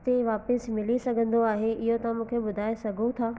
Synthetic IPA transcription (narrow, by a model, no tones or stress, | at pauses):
t̪eʋaːpəsmɪlisɐɡʱə̃nd̪oaːɦeɪɦot̪ɐãmũːkʰeɓʊd̪ʱaːesɐɡʱũt̪ʰaː